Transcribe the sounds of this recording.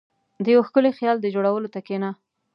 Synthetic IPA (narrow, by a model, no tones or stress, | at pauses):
d̪əjawxkəlexjɑld̪əd͡ʒoɽawəlot̪akenɑ